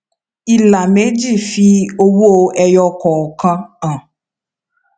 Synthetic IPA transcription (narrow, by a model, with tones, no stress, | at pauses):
i˨la˨me˨˦d͡ʒi˦˨fi˦o˦wo˦ɛ˨jɔ˧kɔ˨kã˦ã˨